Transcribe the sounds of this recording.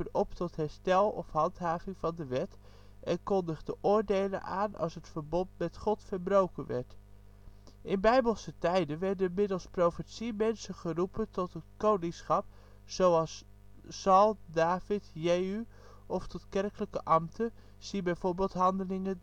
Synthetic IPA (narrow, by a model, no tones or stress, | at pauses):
ənɔptɔtɦɛɹstɛlˠɔ̰fhɑntɦaːvɪŋvɑndəʋɛt | ʔɛnkɔndəχdəʔʊːɹdejlə̰nʔaːnɑ̰lˠsətfəɹbɔntmɛtχɔtfəɹbrowkənʋɛ̰ɹt | ʔɪnbɛjbəlˠsətɛjdənʋɛɹdəmɪdəlˠsprowfətsimɛnsəχərupʰəntɔtətkownɪŋsχɑp̚ | sowɑsː | ɑlˠdaːfɪtjey | ɔftɔtkɛrkələkəʔɑmtʰə | sibɛjvoːɹbeːlˠtɦɑndəlɪŋə